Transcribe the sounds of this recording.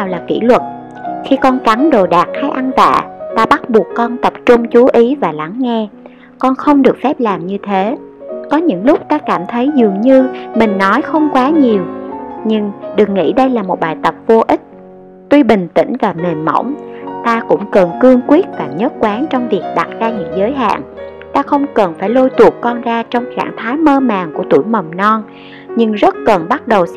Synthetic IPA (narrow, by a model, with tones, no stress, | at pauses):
aː˨˩wlaː˨˩kḭ˧˥˩lwə˨˩t̚ | xi˧kɔ˧nka˨˦ŋɗo˨˩ɗaː˨˩k̚haː˧jʔa˧nt̪a̰ː˧˨t̪aː˧ɓa˦˥t̚ɓu˨˩əkːɔ˧nt̪ə˨˩p̚t͡ɕʊ˧ŋ͡mt͡ɕu˨˦ʔi˨˦vaː˨˩la˨˦ŋːɛ˧ | kɔ˧nxə˧wŋ͡mɗɨ˨˩ək̚fɛ˦˥p̚laː˨˩mɲɨ˧t̪ʰe˨˦ | kɔ˨˦ɲɨ̰˧˥ŋlʊ˦˥k͡p̚t̪aː˧kaː˧˩mt̪ʰə˨˦jzɨ˨˩əŋɲɨ˧mï˨˩ŋ̟nɔ˨˦jxə˧wŋ͡mkwaː˨˦ɲi˨˩əwɲɨ˧ŋɗɨ˨˩ək̚ŋḭ˧˥ɗə˧jlaː˨˩mo˨˩t̚ɓaː˨˩jt̪ə˨˩p̚vo˧ʔï˦˥t̟̚ | t̪wi˧ɓï˨˩ŋ̟t̪ḭ̈˧˩˥ŋ̟vaː˨˩me˨˩nmə̰˧˩˥wŋ͡mt̪aː˧kʊ̰˧˥ŋ͡mkə˨˩nkɨ˧əŋkwi˦˥ət̚vaː˨˩ɲəː˦˥t̚kwaː˨˦ŋt͡ɕɔ˧wŋ͡mvi˨˩ək̚ɗa˨˩t̚zaː˧ɲɨ̰˧˥ŋzəː˨˦jɦa̰ː˧˨ŋ | t̪aː˧xə˧wŋ͡mkə˨˩nfaː˧˩jlo˧jt̪u˨˩ək̚kɔ˧nzaː˧t͡ɕɔ˧wŋ͡mxa̰ː˧˩ŋt̪ʰaː˨˦jməː˧ma̰ː˨˩ŋku˧˩ət̪ṵ˧˩jmə˨˩wŋ͡mnɔ˧n | ɲɨ˧ŋzə˦˥t̚kə˨˩nɓa˦˥t̚ɗə˨˩w